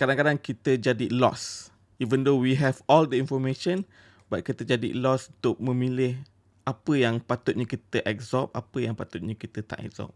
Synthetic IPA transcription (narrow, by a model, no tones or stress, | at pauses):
kadaŋkadaŋkit̪əd͡ʒadilɔ̰s | ivə̃ndowiɦɛvɔld̪əinfɔmẽʃə̃n | bat̪̚kit̪əd͡ʒadḭlɔsunt̪ʊk̚mə̃milɪh | ʔapəjaŋpat̪ʊt̪̚ɲəkit̪əʔɛk̚zɔp̚apəjaŋpat̪ʊt̪̚ɲãkit̪ət̪a̰ʔɛ̰k̚z̥ɔ̰p̚